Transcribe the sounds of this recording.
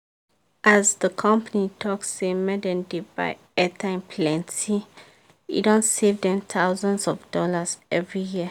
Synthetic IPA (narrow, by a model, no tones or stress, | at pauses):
azdəkʰɔ̃mpanitʰɔksemɛdɛ̃ndeba̰ɪ | ɛtãnpʰlɛ̃nti | ḭdɔ̃nsevdɛ̃mt̪ʰaʊzɔ̃nsɔvdɔlazɛvɹijiə